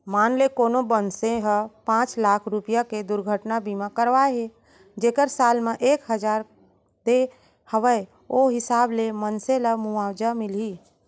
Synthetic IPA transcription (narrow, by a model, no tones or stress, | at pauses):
maːnlekoːnobənsẽɦəpãːt͡ʃlaːkʰɾupijaked̪ʊɾɡʱəʈnabʱimãkəɾʋaeɦe | d͡ʒeːkəɾsaːlmẽʔeːkɦəd͡ʒaːɾ | d̪e | həʋəe | oɦɪsaːblemənsẽlamuaːd͡ʒamɪli